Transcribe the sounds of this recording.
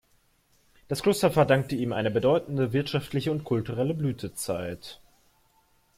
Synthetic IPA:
d̥askl̥ʊstɐfɛɐdaŋk̚təiːmʔaɪnəbədɔʏtn̩dəvɪɐtʃaftʰlɪçəʊntkʰʊltuʁɛləblyːtʰət͡sa̰ɪt

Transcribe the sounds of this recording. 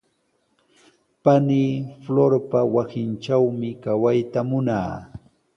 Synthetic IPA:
paniːfloɾpawasɪnʈ͡ʂawmɪkawajt̪amʊna̰ː

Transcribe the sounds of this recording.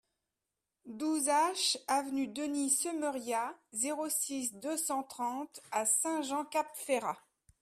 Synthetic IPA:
d̪uzaʃavnyd̪ənisəmœʁjazeʁosis̬d̪øsɑ̃t̪χɑ̃t̪asɛ̃ʒɑ̃kapfeʁa

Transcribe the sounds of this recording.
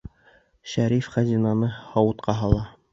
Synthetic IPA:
ʃæɾifχæzʲinɑnɤhɑwɤ̆t̪qʰɑɦɑlˠɑ

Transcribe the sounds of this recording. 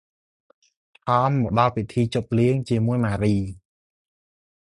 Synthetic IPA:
ʔɑːmːɔɗɑlpit̪ʰiːt͡ɕop̚liəŋt͡ɕiəmuəjmaːɾiː

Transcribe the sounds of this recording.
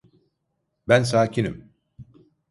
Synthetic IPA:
bæns̬aːcʰinḭm

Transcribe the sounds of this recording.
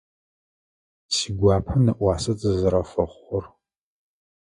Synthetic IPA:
siːɡʷɑːpʰɐnɐʔʷɑːsɐt͡sʼɨzɐɾɐfɐχʷʊr

